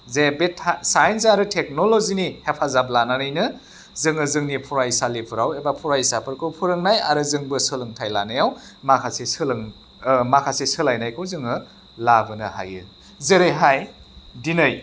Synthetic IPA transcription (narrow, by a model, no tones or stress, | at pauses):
zebetʰsajnsaɾɯtʰek̚nolozinihepʰazablananɯjnɯ | zɯŋɯzɯŋnipʰuɾajsalipʰɯɾawebapʰuɾajsapʰɯɾkʰɯwpʰuɾɯŋnaja̰ɾɯzɯŋbɯsɯlɯŋtʰajla̰nɯjawmakʰasesɯlɯŋ | makʰasesɯlajnajkʰɯwzɯŋɯ | labɯnɯha̰jɯ̰ | zeɾeɦajdinɯj